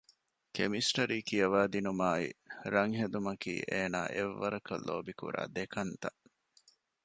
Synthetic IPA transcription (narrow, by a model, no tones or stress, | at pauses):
kemisʈɐɾiːkijɐʋaːd̪inumaːḭɾɐŋɦed̪umɐkḭːʔeːna̰ːʔeʋːɐɾɐkɐ̰lːo̰ːbikṵɾa̰ːd̪ekɐnt̪ɐʔ